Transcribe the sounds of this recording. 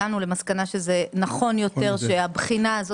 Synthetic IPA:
anule̞maskanaʃezenaχo̞njo̞t̪e̞ʁʃe̞abχinaːzo

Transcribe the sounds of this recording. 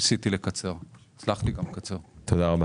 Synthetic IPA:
sit̪ilekat͡se̞ʁt͡slaχtiɡamkat͡se̞ʁt̪od̪aʁaba

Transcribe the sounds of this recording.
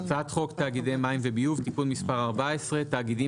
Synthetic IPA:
t͡sat̪χo̞kt̪aːɡidejmaimvebijuvt̪ipulmispaʁaʁbaesʁe̞t̪aːɡidi

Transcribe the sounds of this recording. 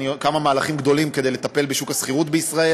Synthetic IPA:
iokamamaːlaχimɡd̪o̞limke̞d̪ejlet̪ape̞lbeʃukasχiʁut̪beisʁae

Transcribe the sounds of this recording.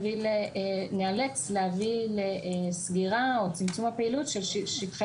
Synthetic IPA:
vilenealekslehavilesɡiʁaot͡simt͡sumhapeilutʃelʃiʃitχ

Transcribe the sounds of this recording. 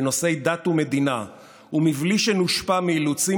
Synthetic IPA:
no̞se̞jd̪at̪ume̞d̪ina | umivliʃenuʃpamiːlut͡si

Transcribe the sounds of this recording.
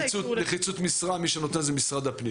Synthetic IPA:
t͡suleχit͡sut̪misʁamiʃenot̪e̞nzemisʁad̪apni

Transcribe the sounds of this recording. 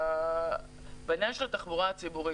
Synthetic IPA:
binjanʃelat̪aχbuʁat͡sibuʁi

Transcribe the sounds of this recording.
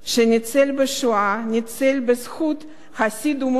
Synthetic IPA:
ʃenit͡selbeʃuanʲit͡selbezxut̪ | χasid̪um

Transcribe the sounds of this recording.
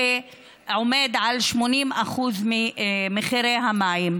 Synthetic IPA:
e | ʕome̞d̪ʕalʃmo̞nimaχuzmimeχiɾejɦamajim

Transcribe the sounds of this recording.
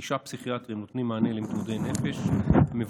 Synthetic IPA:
iʃapsiχiat̪ʁimnot̪nimːaːnelimt̪ud̪ejnefeʃmev

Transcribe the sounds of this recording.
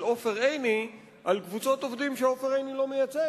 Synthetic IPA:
o̞fe̞ʁejni | ʔalkvut͡so̞t̪ovd̪imʃeofeʁejnilo̞mejat͡se

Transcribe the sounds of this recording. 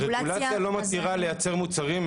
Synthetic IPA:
ʁeluɡatialo̞mat̪iʁale̞jat͡se̞ʁmut͡saʁim

